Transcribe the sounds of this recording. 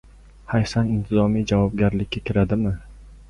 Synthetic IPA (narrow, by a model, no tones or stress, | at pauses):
hajsanɪnt̪ʰɪzɒmijd͡ʒavɒb̚ɡʲaɾlɪkʲːakʲʰɪɾad̪ɪmɪ